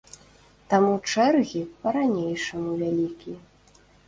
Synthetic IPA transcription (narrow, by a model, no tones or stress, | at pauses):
t̪amut͡ʂɛrɣʲipɐɾanʲejʂɐmuvʲalʲikʲi